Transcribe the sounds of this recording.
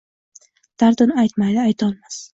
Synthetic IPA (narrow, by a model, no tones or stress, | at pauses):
d̪̥aɾd̪ɪnajt̪majd̪ɪajt̪ʰɒlˠmas